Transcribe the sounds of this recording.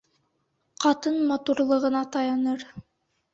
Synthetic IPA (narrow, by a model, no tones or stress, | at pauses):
qɑt̪ɤnmɑt̪uɾlˠɤ̆ʁɤ̆nɑt̪ɑjɑnɤɾ